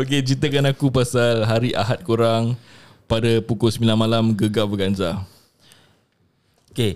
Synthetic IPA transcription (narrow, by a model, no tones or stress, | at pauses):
ok̬ed͡ʒit̪əkanakupasalɦaɾiʔa̰ɦat̪̚kuɾaŋ | padapukʊlsəmilanmalamɡəɡabəɡand͡ʒa | oke